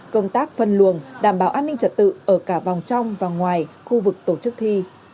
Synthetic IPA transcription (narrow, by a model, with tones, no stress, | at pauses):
kə˧wŋ͡mt̪aː˦˥k̚fə˨˩nlu˨˩əŋɗaː˧˩mɓaː˨˦wʔaː˧nːï˧ŋt͡ɕə˨˩t̚t̪ɨ̰˧˨ʔəː˧˩kaː˧˩va˨˩wŋ͡mt͡ɕa˧wŋ͡mvaː˨˩ŋwaː˨˩j | xu˧vɨ˨˩k̚t̪o˧˩t͡ɕɨ˦˥k̚t̪ʰi˧